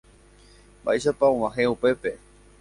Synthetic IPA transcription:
ba̰eʃapaõwãɦeupe̞pe̞

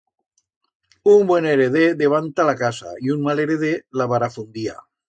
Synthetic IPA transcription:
umbweneɾeðeðeβ̞ant̪alakasa̰iunmaleɾeðelaβaɾafund̪ia̰

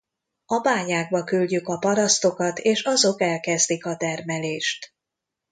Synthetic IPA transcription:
ɒbaːɲaːɡ̚bɒkylɟykɒpɒɾɒst̪o̞kɒt̪eːʃɒzo̞kɛlkɛzd̪ikɒt̪ɛrmɛleːʃt̪

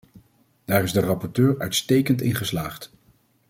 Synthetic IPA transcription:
d̥aːɹɪzdərɑpɔɹtøːɹœɥtstejkəntɪnχəslaːχt

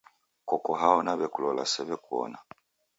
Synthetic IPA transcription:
kɔkɔɦaɔnaβɛkulɔla̰sɛβɛkuɔ̰na

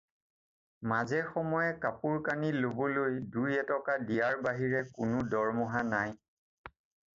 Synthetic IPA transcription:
mazɛxɔmɔjɛkapuɹkanilobɔlojdujɛtɔkadijaɹbaɦiɹɛkʊnʊdɔɹmɔɦanaj

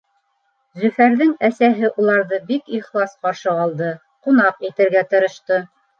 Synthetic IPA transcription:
zɵ̆fæɾðɘŋæsæɦɘʔulˠɑɾðɤbikiχlˠɑsqɑɾʃɤɑlˠd̪ɤ | qunɑqit̪ɘ̆ɾɡæt̪ɤ̆ɾɤ̆ʃt̪ɤ

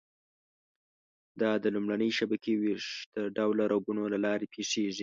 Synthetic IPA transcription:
d̪ɑd̪əlumɽanəjʃabakeweʂd̪̥əɖawlaɾaɡunolalɑɾepʰeʂeʐi

